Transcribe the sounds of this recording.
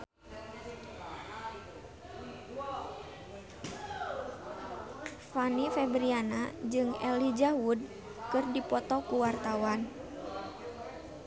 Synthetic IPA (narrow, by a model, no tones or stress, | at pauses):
fanifɛbɾianad͡ʒɨŋɛ̰lid͡ʒaud̚ | kɨrdipɔt̪ɔkuwart̪awan